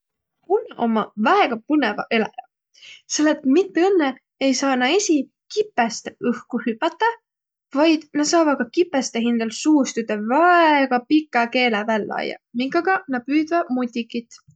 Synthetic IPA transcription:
uno̞̰mːɑvæeɡ̥ɑpɯnevɑ̰ʔe̞lɑ̰jɑ | selːet̪mit̪ːeɤnːe | ejsɑːnɑesʲi | kipːˑest̪ɯhkuhypːɑt̪ːɑ | vɑjd̪̥nɑ̥sɑːvɑ̥kɑkipːˑest̪eɦind̪̥ɑlsuːst̪ud̪evɑeɡ̥ɑpikːˑɑke̞ːlevælːɑ̰jɑ̰miɡɑɡ̥ɑnɑpyːd̪vɑmut̪ʲːikːit̪ːˑ

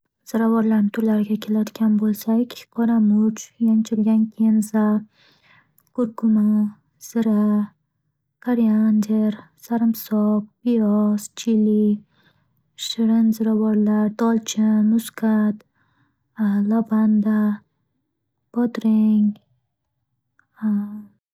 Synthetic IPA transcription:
z̥ɪɾavɒɾlaɾmt̪ʰʊɾlaɾɪɡʲakʲʰelad̪ɪɡʲanbolˠsakʲqʰɒɾamʊt͡ʃjant͡ʃʰɪlɡʲankʲʰenza | ɡ̥ʊɾɡʊma | z̥ɪɾa | kʰaɾiand̪eɾ | saɾɪmsɒkbijɔst͡ʃʰili | ʃɪɾɪnzɨɾawɒɾlaɾd̪ɒlt͡ʃʰɪmʊskʰat̪ | lɔband̪a | b̥ɒd̪ɾɪŋ

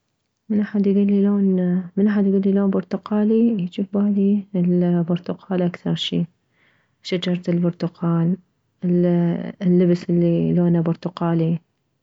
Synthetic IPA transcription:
mɪnʔaħad̪jɡuːlːiloːnmɪnʔaħad̪jɡuːlːiloːnbʊɾt̪ʊqɑːlijt͡ʃuːfbaːliɪlbʊɾˤt̪ʊqʰɑːlʔakθɑɾˤʃiː | ʃad͡ʒɑɾˤt̪ɪlbʊɾt̪ʊqʰɑːl | ɪ | lːɪbsɪlːiloːnabʊɾt̪ʊqɑːli

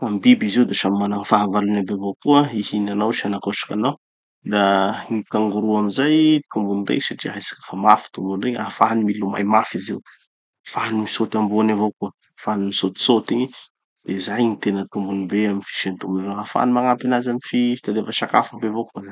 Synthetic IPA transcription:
ambibiziwd̪eʃamimanakfaɦavalunambevokuəihinanawʃianakosḁkʲanaw | d̪anikaŋɡuɾuamizajt̪umbunirḛsaʈ͡ʂiajsḁkə̥famafi̥t̪umbunreɲafaɦanimiluma̰jmafiziwu | faɦanimisot̪ambuanavokuə | fanimisot̪i̥sot̪iɲi | d̪̥ezajnit̪enət̪umbunibeaminfi̥ʃent̪umbuvoafa̰nimaŋampinazamifi̥t̪ad̪efaʃaka̰fabevokuaa

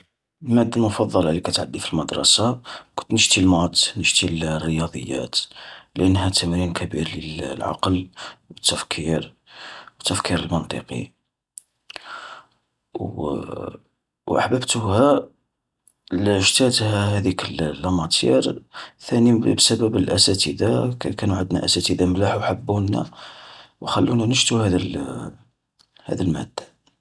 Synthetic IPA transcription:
mæd̪ːəlmʊfɑd̪ˤːɑlʕlikæt̪ʕad̪ːifilməd̪ɾˤɑ̰sakʊnt̪nəʒt̪ilmɑd̪nəʒt̪ilrːəjɑd̪ˤə̰jːæ̰t̪lʔənːɦæt̪ːæmɾinkʰæbiɾləlʕɑ̰qlwət̪ːæfkʰiɾ | wət̪ːæfkiɾəlmənt̪ˤḭqḭ | wʔə̰ħbəbt̪uhæ | lʒt̪æt̪hæhæd̪ikəllːɑmɑt̪ʰḭɾθænibsæbəbəlʔæsæt̪id̪akænuʕəd̪næ̰ʔæ̰sæt̪id̪amlaħwħəbːunːæ̰ | wxælːunænəʒt̪uhæd̪əl | hæ̰d̪əlmæ̰d̪ːa

